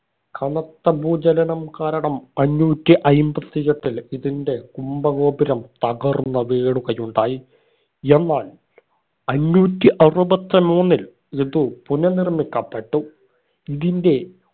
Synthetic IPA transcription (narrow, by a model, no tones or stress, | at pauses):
kɐnɐt̪ːɐbuːd͡ʑɐlɐnɐmkaːɾɐɳɐmɐnːuːtːiʔɐjmbɐt̪ːijɐʈːiliðinde̞kumbɐɣo̞ːbiɾɐmt̪ɐɣɐrnːɐʋeːɽukɐjuɳɖaːji | e̞nːaːl | ɐnːuːtːiʔɐrubɐt̪ːɐmuːnːil | iðupunɐnirmikʲːɐpːeʈːu | iðinde̞